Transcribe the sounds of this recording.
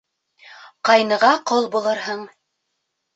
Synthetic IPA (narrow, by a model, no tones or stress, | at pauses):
qɑjnɤ̆ʁɑqɤlˠbulˠɤɾhɤɴ